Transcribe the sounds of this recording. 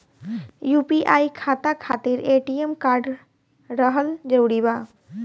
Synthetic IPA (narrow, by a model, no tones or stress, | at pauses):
jupiʔaːikʰat̪akʰat̪iɾeʈiemkaːɾɖ | ɾəɦəld͡ʒəɾuɽiba